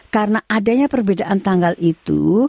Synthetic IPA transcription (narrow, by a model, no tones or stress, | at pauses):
karənaʔadaɲapərbedaʔant̪aŋɡalʔit̪ṵ